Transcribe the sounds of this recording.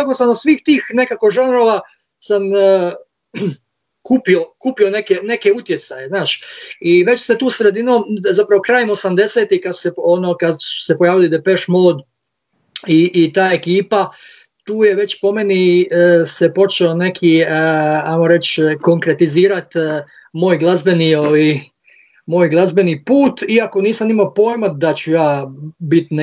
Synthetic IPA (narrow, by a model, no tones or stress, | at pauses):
akosamosʋiːxt̪iːxne̞kako̞ʒanɾoʋa | sam | kuːpiokuːpio̞ne̞kene̞keut̪je̞sajeznaːʃiʋe̞t͡ɕset̪uːsɾe̞d̪inozapɾaʋokɾaːjemo̞samd̪e̞seːt̪ikad̪su̥seonokad̪su̥sepojaːʋilid̪epeʃmolod̪ | iʔːt̪aːe̞kiːpa | t̪uːje̞ʋe̞t͡ɕpo̞menisepo̞t͡ʃeone̞kʰi | ajmoɾe̞t͡ɕko̞ŋkɾe̞t̪iziːɾat̪ | mo̞ːjɡlˠazbe̞nioʋi | mo̞ːjɡlˠazbe̞nipuːt̪iako̞niːsamimapo̞ːjmad̪at͡ɕujaːbit̪n